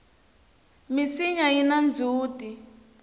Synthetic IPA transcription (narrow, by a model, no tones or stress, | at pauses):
misiɲainand͡zʱuːtʼi